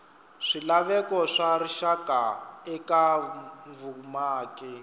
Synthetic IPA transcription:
ʂilaβɛkɔʂariʃakʼaɛkaɱvumaːkɛ

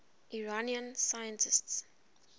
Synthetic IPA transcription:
ʔiɹaniə̃nsajə̃ntʰɪsts

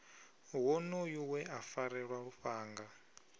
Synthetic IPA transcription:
wɔnojuwɛafaɾɛɺwaɺuɸaːŋɡa

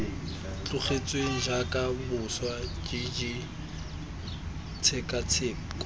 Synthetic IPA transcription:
t͡ɬʼʊχet͡sʼweŋ̩ʒakʼamʊswad͡ʒid͡ʒi | t͡sʰɛkʼat͡sʰeːŋ̩kʼ

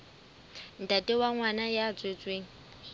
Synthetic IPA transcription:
n̩tʼatʼɪwaŋwanajat͡sʼwet͡sʼweːŋ̩

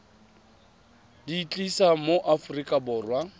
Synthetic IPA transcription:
diːt͡ɬʼisamoʔafʊrikʼabʊːrwa

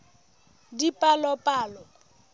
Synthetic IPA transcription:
dipʼalɔpʼaːlɔ

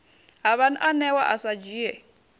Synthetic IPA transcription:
ɦaβanʔanɛwaʔasad͡ʒiːjɛ

